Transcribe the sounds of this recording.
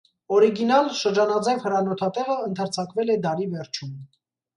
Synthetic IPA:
ɔɾiɡinɑlʃəɾd͡ʒɑnɑd͡zɛvhəɾɑnɔt̪ʰɑt̪ɛʁəənt̪ʰəɾt͡sʰɑkvɛlɛd̪ɑɾivɛɾt͡ʃʰum

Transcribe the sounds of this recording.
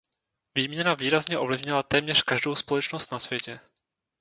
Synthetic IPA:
viːmɲɛnaviːɾazɲɛʔo̞vlɪvɲɪlat̪ɛːmɲɛrkaʒdowspo̞lɛt͡ʃnost̪nasvjɛcɛ

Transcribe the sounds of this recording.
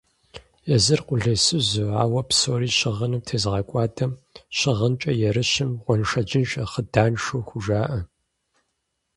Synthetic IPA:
jɛzɨrqʷʊɮesɨzɨaːwɐpsoːɾiːɕɪʁɐnɨmtʰeːzʁɐkʷʼɑːtʰʼɐmɕɪʁənt͡ʃʼɐjɛɾɨɕɪmʁʷɔnʂɐd͡ʒɪnɕʼɐχədaːnʂoːxʷʊʒaːʔɐ

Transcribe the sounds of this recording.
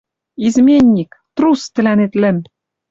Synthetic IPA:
izmʲenʲːikt̪rust̪ɘ̆lænet̪lɘ̆m

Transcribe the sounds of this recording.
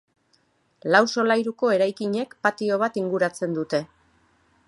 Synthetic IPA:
lawso̞lajɾuko̞e̞ɾajkiɲe̞kpat̪io̞β̞at̪iŋɡuɾat͡se̞nd̪ut̪e̞

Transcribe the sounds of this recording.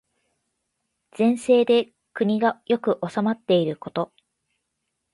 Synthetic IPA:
z̥ẽ̞ɰ̃se̞ːd̪e̞ | kɯ̟ɲ̟iɡajo̞kɯ̟ʔo̞samat̪ːe̞iɾɯ̟ko̞t̪o̞

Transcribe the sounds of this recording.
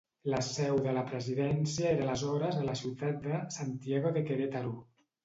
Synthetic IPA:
ləsɛwðələpɾəziðɛnsiəeɾələzɔɾəzələsiwt̪at̪̚d̪əsant̪ieɣ̞oðəkeɾet̪aɾu

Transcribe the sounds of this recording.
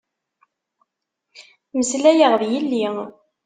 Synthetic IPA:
məslæjəʁðjilːi

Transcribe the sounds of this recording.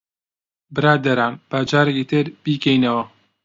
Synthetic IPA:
bɨɾaːd̪ɐɾaːmb̥aːd͡ʒaːɾekit̪ɨɾb̥iːkɛjnɐwɐ

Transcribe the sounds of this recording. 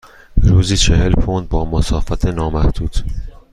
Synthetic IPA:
ɾuːziːt͡ʃʰeɦelfʰond̪̚bɒːmosɒːfæt̪ʰenɒːmæhd̪̥uːd̪̥

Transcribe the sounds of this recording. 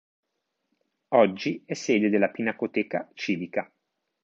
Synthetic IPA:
ɔd͡ʒːiɛsːeːd̪ed̪elːapinakot̪ɛːkat͡ʃiːvika

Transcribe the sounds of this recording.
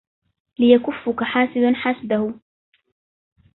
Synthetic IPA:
lɪjakʊfːʊkaħaːsɪd̪anħasd̪ahʊ

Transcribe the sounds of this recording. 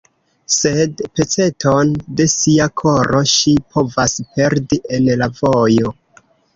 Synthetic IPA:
se̞dpe̞t͡se̞tʰo̞nde̞siakʰo̞ɾʔo̞ʃipʰo̞vaspe̞ɾdiʔe̞nlavo̞jo̞

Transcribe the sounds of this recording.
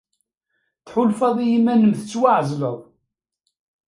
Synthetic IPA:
θħʊlfɑðˤijimːænəmθət͡sːwaʕzləðˤ

